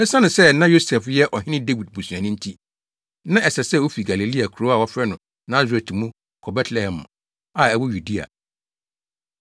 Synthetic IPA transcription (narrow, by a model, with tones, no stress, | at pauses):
ɛ˦sã˦nʊ̃˨sɛ˦nã˦jo˦sɛ˨fjɛ˦ʔɔ˨ɦɪ̃˦nɪ̃˦de˦wi˨d̚bu˨su˨ã˨nʊ̃˦n̩˦tʰi˦ | nã˦ʔɛ˨sɛ˨sɛ˦˨wo˦fi˨ɡa˨li˨li˦a˨kʰu˨ɾo˦a˨wɔ˦fɾɛ˦nʊ̃˨ | nã˨˦ze˨tʰi˨mũ˦ | kʰɔ˨bɛ˦tʰlɛ˨hɛ̃˨m˨ | a˨ɛ˨wɔ˦ju˨di˦a̰˨